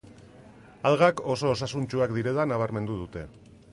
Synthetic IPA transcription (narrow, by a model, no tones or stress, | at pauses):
alɣako̞so̞ːs̬asunt͡ʃuakd̪iɾe̞ðanaβ̞aɾme̞nd̪uð̞ut̪e̞